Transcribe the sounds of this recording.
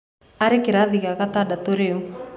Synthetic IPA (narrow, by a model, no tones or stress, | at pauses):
aɾekɪɾaðiɣaɣat̪adat̪oɾeu